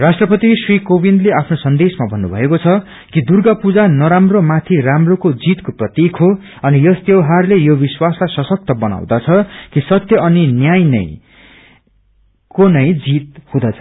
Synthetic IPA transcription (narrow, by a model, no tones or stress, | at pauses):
rasʈrʌpʌt̪isrikobind̪leapʰnosʌnd̪esmabʱʌnːubʱʌ̰ekot͡sʰʌ | kid̪urɡʌpud͡zanʌɾamromat̪ʰiramrokod͡zit̪koprʌt̪jikʰɦo | ʌnijʌst̪jʌwɦarlejobiswasasʌsʌk̚t̪ʌbʌna̰w̃d̪at͡sʰʌkisʌt̪jʌʔʌninjajnʌ̰j̃ | konʌj̃d͡zit̪̚hũd̪ʌt͡sʰʌ